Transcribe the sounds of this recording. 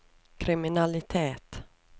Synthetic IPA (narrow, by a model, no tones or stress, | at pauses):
kʰɾɪmɪnalɪt̪ʰeːt̪